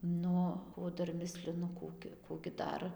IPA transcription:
ˈnʊ oː ˈdɐr ˈmʲɪsʲlʲɪnʊ ˈkuː ɡʲɪ ˈkuː ɡʲɪ ˈdɐr

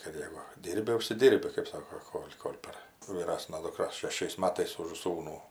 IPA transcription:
kɐt ˈjæːɡʊ ˈdʲiːrʲbʲɪ ʊʃʲsʲɪˈdʲiːrʲbʲɪ kɜp ˈsɑːkoː ˈkoːlʲ koːlʲ pɐr ʋʲiːˈrɑːsnɐ dʊkˈrɐ ʃʲɛˈʃʲɛɪs ˈmɑːtɐɪs ʊʃ ˈsuːnuː

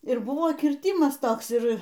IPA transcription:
ɪr ˈbʊʋoː ˈkʲiːrʲtʲɪmɐs ˈtoːks ˈɪr

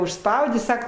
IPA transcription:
ʊʃˈspɐʊdʲeː ˈsɑːkɐ

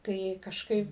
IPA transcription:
tɐɪ kɐʃˈkɐɪp

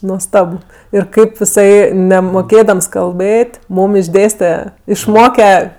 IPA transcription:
nuɔsˈtɐp ˈɪr ˈkɐɪp ɪˈsɐɪ nʲɛmoːˈkʲeːdɐms kɐlˠˈbɘtʲ ˈmuːm ɪʒʲˈdʲeːsʲtʲɛ ɪʃˈmoːkʲɛ

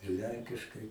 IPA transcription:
ɪr ˈlʲɛŋʲkʲɪʃkɐɪ

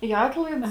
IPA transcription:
iː ˈɑːtlˠɐɪts

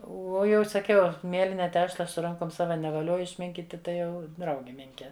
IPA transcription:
ˈuɔ ˈjɛʊ sɐˈkʲɛʊ ˈmʲiɛlʲɪnʲɛ ˈtʲæːʃlˠɐ sʊ ˈrɐŋkoːm ˈsɑːʋɐ nʲɛʋɐˈlʲoːjʊ ɪʃʲˈmʲɪŋʲkʲiːtʲɪ ˈtɐɪ ˈjɛʊ ˈdrɐʊɡʲɪ ˈmʲɪŋʲkʲɛ

